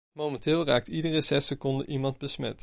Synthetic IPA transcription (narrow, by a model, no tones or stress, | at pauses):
mowmɛntɪːlˠraːk̚tidərəzɛsəkɔndə̰nʔimɑnd̚bəsmɛt